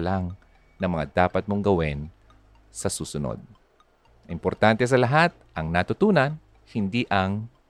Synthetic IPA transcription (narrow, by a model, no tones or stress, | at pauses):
laŋ | nɐŋmɐŋa̰d̪aːpɐt̪̚moŋɡɐwɛn | sɐsuːsʊno̰d̪̚ | ʔɪmpoɾt̪ant̪ɛs̬ɐlɐɦat̪̚ʔɐŋnat̪ʊt̪uːnɐn | hɪnd̪iːʔɐŋ